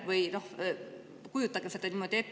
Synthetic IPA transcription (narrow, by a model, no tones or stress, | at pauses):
ʋɯjnoh | kujut̪ːɑkeset̪æniːmot̪ʲepː